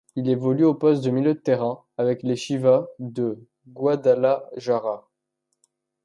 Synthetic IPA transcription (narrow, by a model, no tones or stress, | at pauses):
ilevɔlyopɔst̪̚d̪əmiljød̪ət̪ɛʁɛ̃ | avɛkleʃivad̪ə | ɡwad̪alaʒaʁa